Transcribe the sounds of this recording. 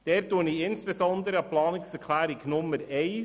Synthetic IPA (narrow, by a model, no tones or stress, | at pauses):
d̥ɛːɾtːuəniɪnsb̥esɔnd̪əɾəɑplɑːnɪksɛɾkʰlæːɾɪknʊmːəɾɛɪ